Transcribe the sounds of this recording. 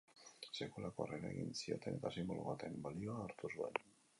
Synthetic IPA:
se̞kulako̞areɾaeɣinsio̞̰t̪e̞ne̞t̪asimbo̞̰lo̰βat̪e̞mbalio̞aːɾt̪usue̞̰n

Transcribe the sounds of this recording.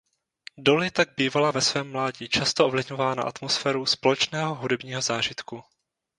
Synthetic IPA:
do̞lɪt̪aɡ̚biːvalavɛsvɛːmːlaːɟiːt͡ʃast̪oʔovlɪvɲo̞vaːna̰ʔa̰t̪mosfɛːɾuspo̞lɛt͡ʃnɛːɦo̞ɦudɛbɲiːɦo̞zaːʒɪt̪ku

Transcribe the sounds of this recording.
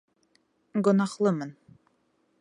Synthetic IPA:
ɡŏnɑχlˠɤmɤn

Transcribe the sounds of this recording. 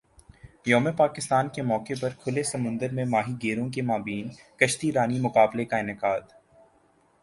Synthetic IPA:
jɔːmepaːkɪst̪aːnkemɔːkepɐɾkʰʊlesɐmʊ̃nd̪əɾmẽmaːɦiɡeːɾõk̬emaːbiːnkɐʃt̪iɾaːnimʊkaːblekaɪnɪkaːd̪

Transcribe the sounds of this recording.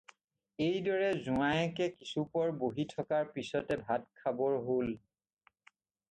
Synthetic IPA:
ejdɔɹɛzuajɛkɛkisupɔɹboɦitʰɔkaɹpisɔtɛbʱatkʰabɔɹɦol

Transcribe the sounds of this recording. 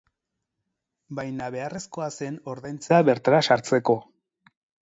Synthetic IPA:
bajnaβe̞are̞sko̞ase̞no̞ɾðajnt͡seaβe̞ɾt̪aɾasaɾt͡se̞ko̞

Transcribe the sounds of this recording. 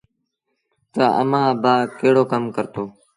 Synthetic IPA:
t̪əə̰mãːbaːkeːɽoːkəmkəɾt̪oː

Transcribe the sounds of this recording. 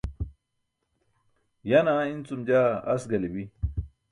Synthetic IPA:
janaint͡sumd͡ʑaːɐsɡɐlibi

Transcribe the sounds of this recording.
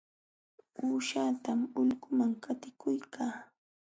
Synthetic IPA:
uːʃaːt̪amʊʎɢʊmaŋkat̪ɪkʊjkʰaː

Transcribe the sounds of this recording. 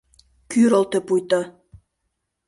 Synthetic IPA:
kyɾŏlt̪ĕpujt̪ɑ

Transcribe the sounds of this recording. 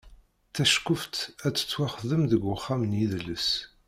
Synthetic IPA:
θæʃkːʊft̪æt͡sːə̥t͡sːwaχðəmðəɡəχːamənjiðlːəs

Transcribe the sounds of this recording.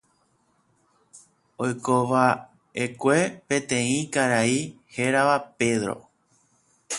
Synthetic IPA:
ojkoʋa | ekʷe̞pẽ̞t̪ẽ̞ĩkaɾai | heɾaʋape̞ðɾo̰

